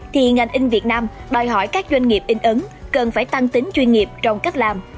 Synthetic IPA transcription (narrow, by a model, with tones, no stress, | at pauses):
t̪ʰi˨˩ŋa˨˩jŋ̟ʔï˧ŋ̟vi˨˩ət̚naː˧mɗɔː˨˩jɦɔ̰˧˩jkaː˦˥k̚zwa˧ŋ̟ŋi˨˩əp̚ʔï˧ŋ̟ʔɨ˨˦ŋkə˨˩nfaː˧˩jt̪a˧ŋt̪ï˨˦ŋ̟t͡ɕwi˧nŋi˨˩əp̚t͡ɕɔ˧wŋ͡mka˦˥jk̚laː˨˩m